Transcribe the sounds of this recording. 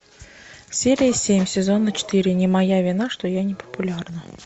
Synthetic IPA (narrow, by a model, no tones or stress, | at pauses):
sʲeɾʲɪjəsʲemʲsʲɪzo̞nːət͡ɕɪ̥t̪ɨɾʲɪnʲɪmɐjavʲɪn̪aʂt̪ojanʲɪpə̥pʊlʲarnə